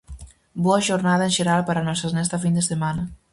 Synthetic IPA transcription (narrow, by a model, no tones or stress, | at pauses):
bɔaʒoɾnaðɐenʒeɾalpaɾanɔsznɛst̪afind̪esemanɐ